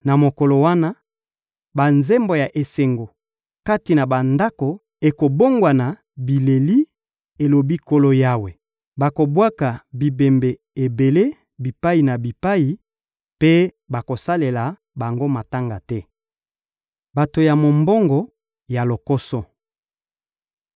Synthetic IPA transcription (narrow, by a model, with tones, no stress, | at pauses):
na˨mo˨ko˨lo˨wa˦na˦ | ba˨nzɛ˦mbo˨ja˨ʔe˨se˦ŋɡo˨ | ka˦ti˨na˨ba˨nda˦ko˨ | e˨ko˨bo˦ŋɡwa˨na˨ | bi˨le˨li˦ | e˨lo˨bi˦ko˦lo˦ja˦we˨ | ba˨ko˨bwa˦ka˨bi˨be˨mbe˨ | e˨be˨le˦ | bi˨pa˦i˨na˨bi˨pa˦ji˨ | pe˦ | ba˨ko˨sa˦le˨la˨ | ba˨ŋɡo˦ma˨ta˦ŋɡa˨tɛ˦ | ba˨to˨ja˨mo˨mbɔ˦ŋɡɔ˨ | ja˨lo˨ko˦sɔ˦